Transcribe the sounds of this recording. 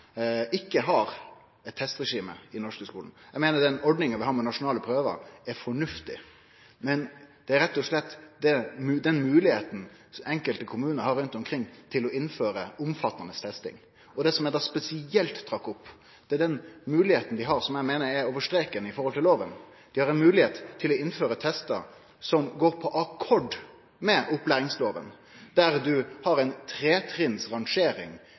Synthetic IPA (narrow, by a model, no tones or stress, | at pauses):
ɪkːəɦɑɾ | ɛt̪ʰːɛst̪ɾɛʂiːmə̰ɪnɔʂkəskuːln̩jæmeːnəɖ̪ɛnɔɖnɪŋənʋɪhɑːmɛnɑʂʊnɑːləpʰɾøːʋə̰ɾɛɾfɔɳʉft̪ɪ̰ | mɛnd̪̥ɛæɾɛt̪ːɔʂlɛt̪ːd̪ɛmʉd̪ɛnmʉːlɪheːt̪n̩ | sɛŋkəlt̪əkʰʊmʉːnəɾhɑɾʉnt̪ɔmkʰɾɪŋːt̪ʰɪlɔɪnːføːɾəʊmfɑt̪ːɑnəst̪ʰɛst̪ɪ̰ŋ | ɔd̪ɛsɔmɛd̪ɑspɛsɪɛlt̪ʰːɾɑkːʊpː | d̪̥ɛɛɖ̪ɛnmʉːlɪheːt̪ən̩d̪ɪɦɑɾsɔmjæɪmeːnəɾɛɾoːʋəʂʈ̪ɾeːkənəɪfɔɾhɔlt̪ʰɪloːʋən | d̪̥ɪhɑɾɛnmʉːlɪheːt̪ʰːɪlɔɪnføːɾət̪ʰɛst̪ə̰ | sɔmɡoːɾpʰɔʔɑkʰɔɖ | mɛʔʊplæːɾɪŋsloːʋə̰n | d̪̥æɾd̪ʉhɑɾɛɪnt̪ʰɾeːt̪ʰɾɪnsʁɑŋʂeːɾɪ̰ŋ